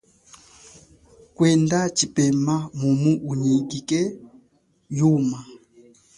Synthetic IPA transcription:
kwɛndat͡ʃipɛmamumuʔuɲiɡikɛ | juma

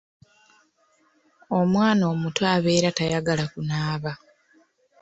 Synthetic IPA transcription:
omwaːno̞ːmutwaːβe̞ɾatajaɡalakunaːβa

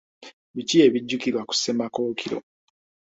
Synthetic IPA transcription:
βicie̞βiɟːukiɾwaku̥sːemakoːkʰiɾo̰

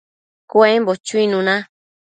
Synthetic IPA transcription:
kwẽmbot͡ʃuĩnũnã

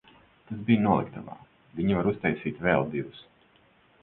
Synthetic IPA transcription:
t̪asbijnuɔlˠḭkt̪a̰va̰ː | vʲiɲivaɾust̪ajsiːt̪ʲvɛlˠd̪ivus

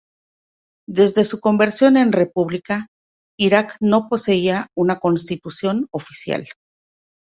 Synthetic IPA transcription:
d̪e̞zðe̞suko̞mbe̞ɾsjo̞ne̞nre̞puβlika | iɾakno̞po̞se̞iaunako̞nst̪it̪usjo̞no̞fi̥sja̰l

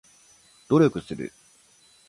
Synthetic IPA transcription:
d̪̥o̞ɾʲjo̞kɯ̟sɨɾɯ̰

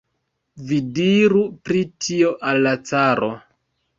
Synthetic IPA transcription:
vidiɾupɾitʰio̞ʔalːat͡saɾʔo

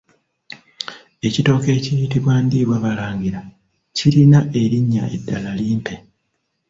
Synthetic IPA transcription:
e̞cito̞ːke̞ːcijitiβwaːndiːβwaβalaːŋɡiɾa | ciɾinae̞ɾiɲːa̰e̞̰dːalaliːmpe̞

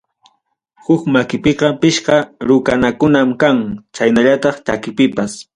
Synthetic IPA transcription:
hʊkmakɪpeqɑpɪʃqɑɾʊkanakʊnamkaŋt͡ʃajnaʎat̪ɑχt͡ʃakɪpɪpas

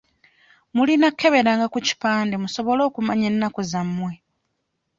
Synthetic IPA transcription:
mulinakʰːe̞βe̞ɾaŋɡakuci̥paːnde̞muso̞βo̞lo̞ːkumaɲenːakozamːwe̞

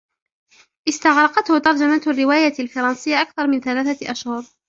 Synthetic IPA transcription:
ʔɪst̪ɑɣɾˤɑqɑt̪hʊt̪ɑɾˤd͡ʒamaːt̪arːɪwaːjaalfɑɾˤɑnsɪjːaʔakθɑɾˤmɪnθalaːθaʔaʃhʊɾˤ

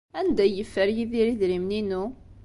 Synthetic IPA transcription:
ænd̪æjəfːəɾjiðiɾiðɾimninu

